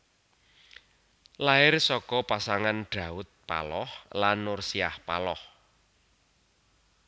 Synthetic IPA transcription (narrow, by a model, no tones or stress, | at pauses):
laɪrsɔkɔpasaŋanɖ̥a̤ʊt̪̚pa̰lɔhlanːʊrsiahpa̰lɔh